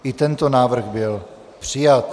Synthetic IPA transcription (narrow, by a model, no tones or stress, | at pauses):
ʔɪt̪ɛnt̪o̞naːvr̩ɣbɪl | pr̥ɪjat̪̚